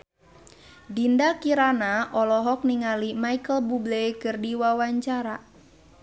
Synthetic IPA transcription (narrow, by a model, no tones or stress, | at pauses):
dindakiɾanaʔɔlɔɦɔk̚niŋalimaikəlbublekɨrdiwawaɲt͡ʃaɾa